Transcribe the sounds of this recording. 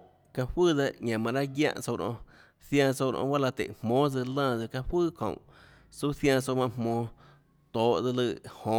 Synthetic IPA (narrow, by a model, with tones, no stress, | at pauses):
ka˧hwɨː˦˨ða˧ʔɲã˨mã˧ʔɾa˦ɡjã̰˦˧ʔt͡so˧ɾʔõ̰˧ | θjã˧so˧ɾʔõ̰˧˦ba˦la˧t̪ḛ˨hmõː˨˦d͡zɨ˧lə̃ː˦˧˨d͡zɨ˧ka˧hwɨː˦˨kʰõ̰˨ʔ | su˦θjã˧so˧mã˧mmõː˧ | t̪oː˨˦ʔd͡zɨ˧lɨ˧˨hõ˨˦